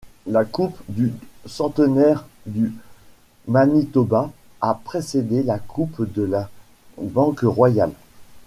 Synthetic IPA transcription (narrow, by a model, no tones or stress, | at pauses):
lakupd̪ysɑ̃t̪ənɛʁd̪y | manit̪ɔba | apχesed̪elakʰupd̪əla | bɑ̃kʁwajal